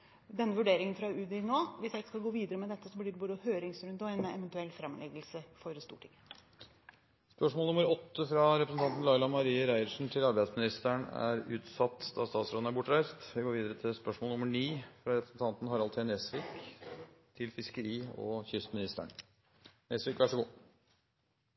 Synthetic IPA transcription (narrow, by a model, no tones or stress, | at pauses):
d̪ɛnːəʋʉɖeːɾɪŋənfɾɑʉːd̪ɪnoːʋɪsjæɪkskɑlɡoːʋiːd̪əɾəmɛd̪ɛt̪ːəsɔblɪɖɛbuːd̪əhøːɾɪŋsɾʉnd̪ɔɛnɛ̰ʋɛnt̪ʉɛlːfɾɑmlʔɛɡəlsəfɔɾst̪uːʈʰɪŋ | spœʂmoːlnʊməɾɔt̪ːəfɾɑɾɛpɾsn̩t̪ɑnt̪n̩lɑɪlɑmɑɾiːəɾæɪəʂn̩t̪ʰɪlɑɾbæɪd̪smɪnɪst̪əɳæ̰ɾʉːt̪sɑt̪ːd̪̥ɑst̪ɑːt̪sɾoːd̪næɾbʊʈːɾæɪst̪ʋɪɡoːɾʋiːd̪əɾət̪ʰɪspœʂmolʊməɳiːfɾɑɾɛpɾəsn̩t̪ʰɑnt̪n̩hɑɾɑlt̪ʰɪɛnesʋɪːk | t̪ʰɪlfɪskəɾiːɔ̰çʏst̪mɪnɪst̪ə̰ɳ | nesʋɪkʋæʂɔɡuː